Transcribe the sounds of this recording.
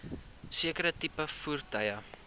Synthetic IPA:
siəkəɾətipəfurtɐjə

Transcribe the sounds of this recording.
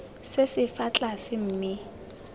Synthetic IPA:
sesɪfat͡ɬʼasɪm̩ːmɪ

